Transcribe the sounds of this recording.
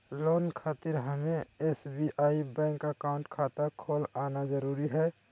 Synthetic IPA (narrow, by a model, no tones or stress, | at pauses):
loːnkʰaːt̪iɾɦəmeesbiʔaːibɛ̃ːŋkəkaʊ̃ɳʈkʰaːt̪akʰoːlaːnad͡ʒəɾuːɾiɦɛː